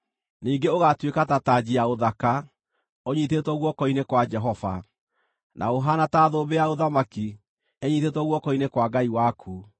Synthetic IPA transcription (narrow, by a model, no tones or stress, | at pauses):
niːŋɡeoɣatwekatataːd͡ʑiaoðaka | oɲiθetwɔɣwɔkɔinekwad͡ʒɛɦɔfa̰ | nʔa̰oɦanataːðoːbeaoðamaki | ɛɲiθetwɔɣwɔkɔinekwaɡaiwakʰu